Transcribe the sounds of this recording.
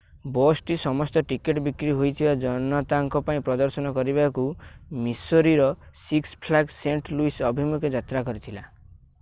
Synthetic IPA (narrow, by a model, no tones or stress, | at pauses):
bɔsʈisɔmɔst̪ɔʈikeʈbikɾiɦojt̪ʰibad͡ʒɔnɔt̪aŋkɔpaĩpɾɔd̪ɔɾsɔnɔkɔɾibakumisoɾiɾɔsikspʰlakseɳʈluisɔbʱimuked͡ʒat̪ɾakɔɾit̪ʰila